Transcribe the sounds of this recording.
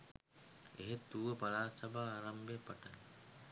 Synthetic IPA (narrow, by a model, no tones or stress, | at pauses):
eɦet̪ːuʋəpalaːsabaːɾambepaʈal